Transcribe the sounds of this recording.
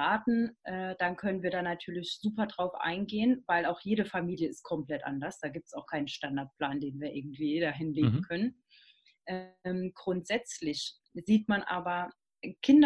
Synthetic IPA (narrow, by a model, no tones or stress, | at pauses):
aːtn̩ʔɛːd̥ankʰœnənviːɐdaːnatʰyːɐlɪçz̥uːpɐdʁaʊfʔa̰ɪnɡeːənvaɪlaʊxjeːɾəfamiːljəɪst̚kʰɔmpl̥ɛtʔa̰ndɐsd̥aːɡiːp̚tsaʊxkʰaɪnənʃtandaɐt̚pl̥aːndeːnviːɐʔɪɐɡŋ̩tv̥iːdaːɦɪnleːɡŋ̩kʰœnən | ʔɛɛːmɡ̥ʁʊntz̥ɛt͡slɪç | z̥iːtmanʔa̰ːbɐ | kʰɪndɐ